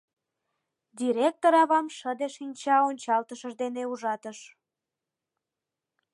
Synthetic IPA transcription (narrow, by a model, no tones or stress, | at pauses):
d̪ʲiɾʲek̚t̪oɾɑβɑmʃəd̪eʃinʲt͡ɕɑonʲt͡ɕɑlt̪əʃəʒd̪eneuʒɑt̪əʃ